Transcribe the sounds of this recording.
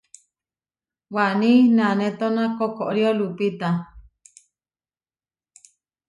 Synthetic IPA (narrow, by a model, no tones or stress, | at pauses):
waʔnĩnãnẽt̪onãkokoʔɾiolupit̪a